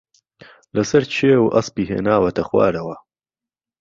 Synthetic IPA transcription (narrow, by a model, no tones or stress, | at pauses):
lɐsɐɾt͡ʃʰeːwʔɐ̰spiːɦḛːnaːwɐt̪ʰɐxwa̰ːɾɐwɐ